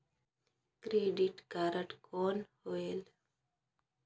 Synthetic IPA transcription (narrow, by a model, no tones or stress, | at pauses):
kɾeːɖiʈkaːɾəʈkoːnhoeːl